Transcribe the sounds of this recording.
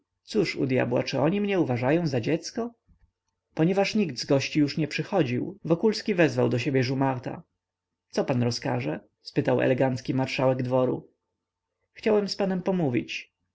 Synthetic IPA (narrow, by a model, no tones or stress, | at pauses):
t̪suʂṵd̪ja̰bwa̰t͡ʂɘɔɲimɲɛuvaʐajɔ̃w̃zad͡ʑɛt̪skɔ | pɔɲɛvaʂɲiɡd̪zɡɔɕt͡ɕijuʂɲɛpʂɘxɔd͡ʑiwvɔkulskʲivɛzvawd̪ɔɕebʲjɛʐumaɾt̪a̰ | t̪sɔpanɾɔska̰ʐɛ | spɘt̪awɛ̰lɛɡant̪skʲimaɾʂawɛɡd̪vɔɾṵ | xt͡ɕawɛmspanɛmpɔmuvʲḭt͡ɕ